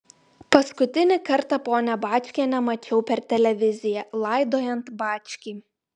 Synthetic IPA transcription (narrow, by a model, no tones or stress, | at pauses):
pɐskʊt̪ʲɪnʲɪkɐɾt̪ɑpoːnʲɛbɑːt͡ʃʲkʲenʲɛmɐt͡ʃʲɛʊpʲɛɾt̪ʲɛlʲɛʋʲɪzʲɪjɛlˠɑɪd̪oːjɛnt̪bɑːt͡ʃʲkʲiː